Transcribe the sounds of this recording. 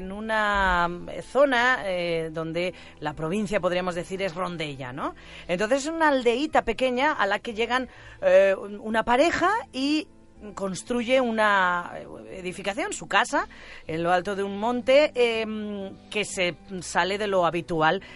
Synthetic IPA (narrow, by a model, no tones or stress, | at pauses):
enuna | θo̞naeðõ̞nd̪e̞ | lapɾo̞β̞in̟θjap̬o̞ð̞ɾiamo̞zðe̞θiɾe̞zro̞nd̪e̞ʎa̰no̞ | ent̪onθes̬esunaːld̪e̞it̪ape̞ke̞ɲaʔalake̞ʎe̞ɣ̞an | unapaɾe̞xai | ko̞nst̪ɾuʝe̞una | ḛðifikaθjo̞nsukasaenlo̞alt̪o̞ðeummõ̞nt̪e̞mke̞se̞sale̞ðe̞lo̞aβit̪ual